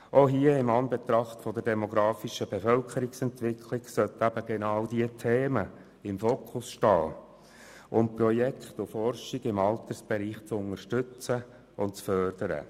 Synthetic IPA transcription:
ʔoɦiəɪmɑnbet̪ɾɑχt̪fɔd̪əɾdɛmoɡɾɑːfiʃəb̥efœlkʰəɾɪksɛnt̪ʋɪkʰlɪɡsœt̪æb̥əɡenɑwdiətʰeːmə | ɪmfoːkʰʊsʃtɑːl | ʔʊmprɔjɛkʰχt̪ʊfɔrʃɪɡɪmɑlt̪əsb̥eɾiːχt͡sʊnəʃtʏt͡sə | ʊntt͡sfœrd̥əɾə̰

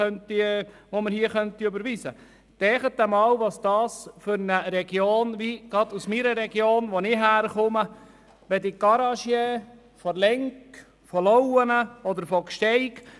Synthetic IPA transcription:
œnt̪iʋoməɾhiəχœnt̪iøbəɾʋiːsə | d̪̥ɛːχət̪ːəmɑːwʋɑsd̥̪ɑːsfʏɾnəɾɛɡ̥joːnʋiɡ̥ɑd̪usmiɾəɾɛɡjoːnʋonɪɦæːɾχʊmə | ʋɛd̪iɡ̥ɑɾɑʃje | fɔlɛŋk | fɔlɔwənəɔd̪əɾfɔkʃtɛɪk

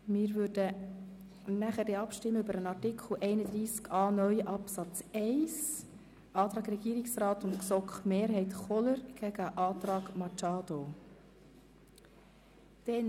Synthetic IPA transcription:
mɪːɾvʏːɾdə | næχəɾdeɑpʃtɪmːəʏbəɾənɑrtɪkʰl̩ʔɛɪnəd̪ɾiːskʰɑːnœʏʔɑpsɑt͡sɛɪs | ʔɑːt̪ɾɑːɡɾɛɡ̥iːɾɪksrɑːtʊntksɔkχmeːɾɦɛɪtχɔləɾɡ̥ɛɡ̥əʔɑːt̪ɾɑːɡmɑt͡ʃɑːd̥̪o | d̥ɛn

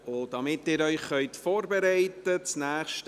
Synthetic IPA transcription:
ʊd̥ɑmɪtɪːɾœʏχχœʏtfoːɾbɛɾæɪtət͡snæːχʃt

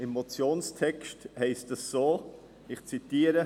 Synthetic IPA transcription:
ɪmːot͡sjoːnstʰɛkʃthɛɪstəsːoː | ɪχt͡sitiːəɾə

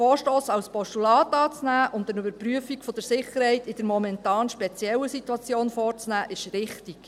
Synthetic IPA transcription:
fɔːɾʃtoːsɑlspɔʃtulɑːt̪ɑːt͡snæːʔʊndəɾybəɾpryəfikfɔd̥əɾsɪχəɾhɛɪtɪd̥əɾmɔmɛntɑːnʃpɛt͡sjɛlːəsituɑt͡sjoːnfɔːrt͡snæːʔɪʃɾɪχtiɡ̥

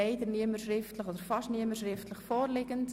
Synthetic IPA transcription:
ɛɪdərniəmərʃrɪftləχodəɾfɑʃniəməʃrɪftʰləχfɔːrlɪɡənt

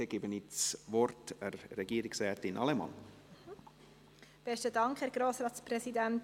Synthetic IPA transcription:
ɛɡ̥ɪbənit͡svɔɾtɛrːɛɡiːɾɪksɛːɾtɪnʔɑ̰lɛmɑ̰n | b̥ɛstədɑŋkχhɛːɾɡ̥ɾoːsɾɑːtsprɛsidænt

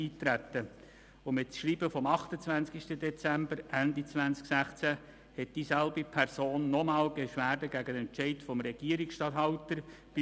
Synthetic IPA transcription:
iːtɾætːə | ʊmɪtt͡sʃɾiːbəfɔmɑχtət͡svænskiʃtədɛt͡sæmbəɾʔændit͡svænt͡sksæχt͡sæ | hɛt̚d̥isælbipʰɛɾsoːnːɔmɑːlbeʃʋæːɾdəɡæɡənɛnt͡ʃɛɪtfɔmɾɛɡ̥iːəɾiksʃtɑthɑʊtəɾ | b̥ɪ

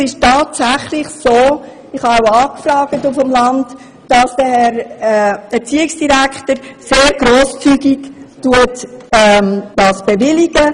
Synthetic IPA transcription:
ɪʃtɑːtsæχlɪχsoː | ɪχhɑawɑːkfɾɑːɡ̥ətufɔmlɑnd | d̥ɑsd̥əhɛɾɛɛɾt͡siːɪksd̥iɾækχtəɾseːɾɡ̥ɾoːst͡syɡiktuətɛmd̥ɑːsb̥evɪliɡ̥ə

